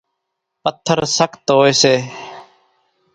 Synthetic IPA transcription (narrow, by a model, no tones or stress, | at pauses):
pət̪ʰːəɾsəkʰt̪ɦoːeːseː